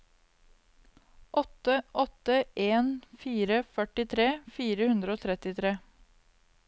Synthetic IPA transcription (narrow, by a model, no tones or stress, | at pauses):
ʔɔt̪əʔɔt̪əʔeːnfiːɾəfœʈɪt̪ʰɾeːfiːɾəhʉnd̪ɾəoːt̪ʰɾɛt̪ɪt̪ʰɾeː